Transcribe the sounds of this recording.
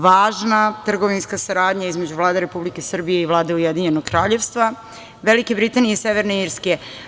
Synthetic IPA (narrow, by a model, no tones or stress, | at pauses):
ʋaːʒnat̪r̩ɡo̞ʋinskasaɾaːd̪ɲaizme̞d͡ʑuʋlˠaːd̪eɾe̞publike̞sr̩bije̞iʋlˠaːd̪eujed̪iɲe̞noɡkɾaːʎe̞ʋst̪ʋa | ʋelikebɾit̪anijese̞ʋeɾneiːɾske